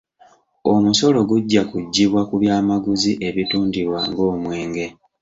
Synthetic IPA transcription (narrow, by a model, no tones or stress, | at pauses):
omuso̞lo̞ɡuɟːakuɟːiβwakuβjaːmaɡuziʔe̞βituːndiβwa̰ŋɡo̞ːmwe̞ːŋɡe̞